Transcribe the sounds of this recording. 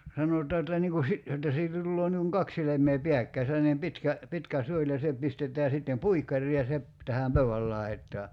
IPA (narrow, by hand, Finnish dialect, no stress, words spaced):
sɑnotɑː etːæ niːŋ ku si jotːɑ siːtæ tulːoː niːŋ kuŋ kɑk silemˑeː piækːæi selːɑnem pitkæ pitkæ suolʲ jɑ se pistetˑæː sitːem puikːɑrˑiː jɑ se p tæhæm pøyæl lɑi̞tˑɑː